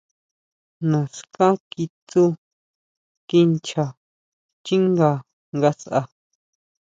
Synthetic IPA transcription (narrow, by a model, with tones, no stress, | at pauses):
nã˨skã˦ki˧t̪u˦ | ki˧nt͡ʃa˧˨ | t͡ʃi˦ŋɡa˧ | ŋɡa˧sʔa̰˧